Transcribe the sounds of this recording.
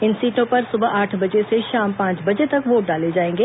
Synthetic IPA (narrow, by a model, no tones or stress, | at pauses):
ɪnsiːʈõpɐɾsʊbəʔaːʈʰbɐd͡ʒeseʃaːmpãːt͡ʃbɐd͡ʒet̪ɐkʋoːʈ̚ɖaːled͡ʒaːẽːŋɡeː